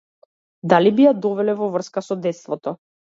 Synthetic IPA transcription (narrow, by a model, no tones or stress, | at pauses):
d̪alibijad̪ɔvɛlɛvɔvr̩skasɔd̪ɛt̪st̪vɔt̪ɔ